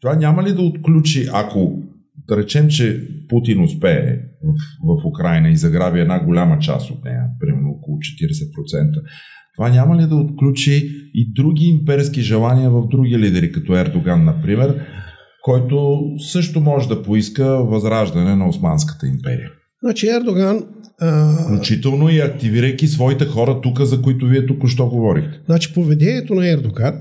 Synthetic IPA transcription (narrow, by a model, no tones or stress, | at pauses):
t̪ovanʲaməlid̪ɐot̪klʲut͡ʃiʔako | d̪̥ɐɾɛt͡ʃɛmt͡ʃɛput̪inʊspɛɛ̰vəfvɐfʊkɾajnəizɐɡɾabʲiɛd̪naɡolʲamət͡ʃa̰sot̪̚nɛ̰jə̰pɾimɛɾnookolˠʊt͡ʃɛ̥t̪iɾɛsɛpɾot̪sɛnt̪ə | t̪ovanʲaməlid̪ɐot̪klʲut͡ʃiːd̪ɾuɡ̟ʲiːmpɛɾisk̟iʒɛlˠaniəvɐvd̪ɾuɡilid̪ɛɾikɐt̪ɔɛɾd̪oɡanːɐpɾimɛɾ | kɔjt̪osɤʃt̪omɔʒɛd̪ɐpoiskəvɐzɾaʒd̪ɐnɛnɐosmanskə̥t̪əimpɛ̰ɾḭjə | znat͡ʃiɛɾd̪oɡan | fklʲut͡ʃit̪ɛlˠnoiɐk̚t̪iviɾəjk̟isvɔit̪ɛxɔɾət̪ukəzɐkoit̪ʊviɛt̪ukoʃ̬t̪ɔɡovɔɾixt̪ɛ̥znat͡ʃi̥povɛd̪ɛnʲiɛt̪onɐɛɾd̪oɡan